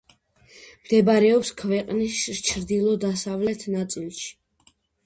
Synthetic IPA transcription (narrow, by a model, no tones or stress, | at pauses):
md̪̥ɛbaɾɛɔpskʰvɛqʼnist͡ʃʰɾd̪ilˠɔd̪asavlɛt̪ʰnat̪sʼilˠʃi̥